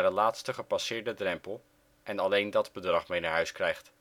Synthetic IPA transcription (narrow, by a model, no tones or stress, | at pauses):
dəlaːtstəχəpɑsɪːɹdədrɛmpəlˠ | ʔɛnɑlejndɑdbədrɑχmejnaɹɦœɥskrɛjχt